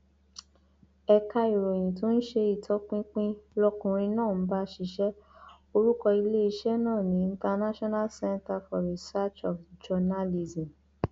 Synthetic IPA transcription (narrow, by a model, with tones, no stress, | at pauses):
ɛ˧ka˧i˨ɾo˨j̃ĩ˨tũ˦n̩˦ʃe˧i˦˨tʰɔ˨˦k͡pĩ˦k͡pĩ˦lɔ˦kũ˧ɾ̃ĩ˧nãː˦˨n̩˦ba˦ʃi˧ʃɛ˦ | o˧ɾu˦kɔ˧i˧le˦i˧ʃɛ˦nãː˦˨nĩ˨˦ĩ˧ta˧na˦ʃɔ˦na˦lsɛ˦nta˧fɔ˨ɾi˨sa˦t͡ʃɔ˨fd͡ʒɔ˧na˦li˧zĩ˨